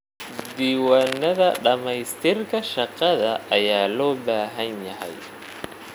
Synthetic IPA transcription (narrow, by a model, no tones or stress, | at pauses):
d̪iːwaːnːɐðɐɖɐmɛjst̪ʰɪrkʰɐʃɑqɑðɐʔɐjaːlɔːbaːɦɐnjɐɦɛ̰j